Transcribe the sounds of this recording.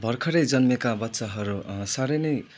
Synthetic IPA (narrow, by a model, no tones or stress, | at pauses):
bʱʌrkʰʌɾʌjd͡zʌnmekabʌtːsaɦʌɾusaɾʌjnʌj